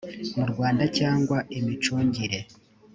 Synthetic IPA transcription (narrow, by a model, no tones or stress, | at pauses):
muɾɡwaːndacaːŋɡwaʔimit͡ʃuːɲɟiɾe̞